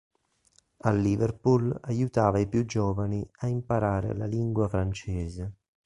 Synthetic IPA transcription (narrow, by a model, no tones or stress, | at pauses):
alːiːvɛrpulajut̪aːvaipjud͡ʒːɔːvaniaimpaɾaːɾḛlaliŋɡwafɾant͡ʃɛːze